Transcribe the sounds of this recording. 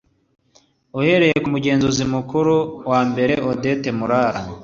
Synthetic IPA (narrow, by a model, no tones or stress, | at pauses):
uhe̞ɾe̞jekumuɟe̞ːnzozimukuɾuwaːmbe̞ɾe̞ʔode̞temuɾaːɾa